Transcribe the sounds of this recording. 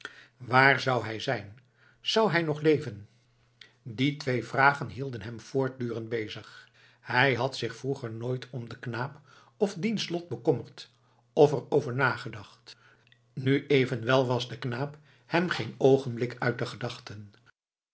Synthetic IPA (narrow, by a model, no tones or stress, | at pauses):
ʋaːɹzɑwɦɛjzɛjn | z̥ʌwɦɛjnɔχlejvən | ditʋejvraːχənɦilˠdənɦɛmv̥ʊːɹt̚dyːrənd̚bejzəχ | hɛjɦɑtsɪχfruχəɹnoːjtʰɔmdəknaːp | ɔfdinslɔt̚bəkɔməɹt | ɔfərowvəɹnaːχədɑχt | nyʔejvənʋɛlˠʋɑzdəknaːp | hɛmχejnowχənblɪkœɥt̚dəχədɑχtən